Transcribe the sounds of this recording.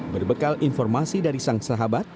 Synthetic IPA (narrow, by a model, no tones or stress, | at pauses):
bərbəkalʔinfɔrmasidaɾisaŋsaɦabat̪̚